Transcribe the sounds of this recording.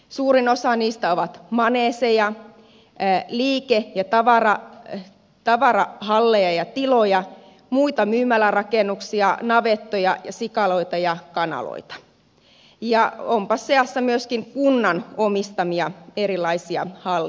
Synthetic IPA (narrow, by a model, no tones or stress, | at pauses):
suːrinosɑniːst̪æoʋɑt̪mɑneːsejɑ | liːkejɑt̪ɑʋɑrɑ | t̪ɑʋɑrɑhɑlːejɑjɑt̪ilojɑ | muit̪ɑmyːmælærɑkenːˑuksiɑnɑʋet̪ːojɑjɑsikɑloit̪ɑjɑkɑnɑ̰lo̰it̪ɑ̥ | jɑompɑsseɑsːɑmyøskiŋkunːɑnomist̪ɑmiɑerilˑːɑisiɑ̰hɑlː